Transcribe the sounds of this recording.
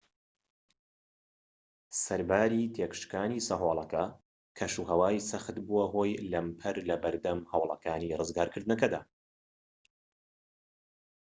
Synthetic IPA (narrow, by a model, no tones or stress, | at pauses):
sɐɾbaːɾit̪ʰekʃkaːniːsɐɦoːlˠɐkɐ | kʰɐʃuːɦɐwaːisɐxɨt̪buɐɦoːjlɐmpʰɐɾlɐbɐɾd̪ɐmhɐwlˠɐ̰kʰaːnirɨzɡaːɾkʰɨɾd̪ɨnɐkɐd̪a̰ː